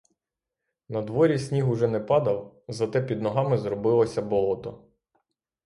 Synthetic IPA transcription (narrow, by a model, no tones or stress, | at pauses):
nɐd̪ʋɔɾʲisʲnʲiɦʊʒɛnɛpɑd̪ɐwzɐt̪ɛpʲid̪nɔɦɑmɪzɾɔbɪlˠɔsʲɐbɔlˠɔt̪ɔ